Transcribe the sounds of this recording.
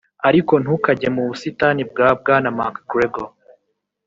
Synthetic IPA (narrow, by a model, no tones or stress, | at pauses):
aɾiko̞n̥hukaɟemuβusitanib̚ɡaːb̚ɡaːnamaːkɡɾeɡo